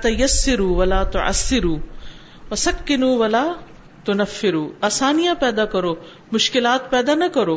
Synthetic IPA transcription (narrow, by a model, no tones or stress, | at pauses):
t̪ɐjɐsːɪɾuːʋɐlaːt̪ʊʕɐ̰sːɪɾuː | ʋɐsɐkːɪnuːʋɐlaː | t̪ʊnɐfːɪɾuːaːsaːnijapɛːd̪aːkɐɾoː | mʊʃkɪlaːt̪pɛːd̪aːnɐkɐɾoː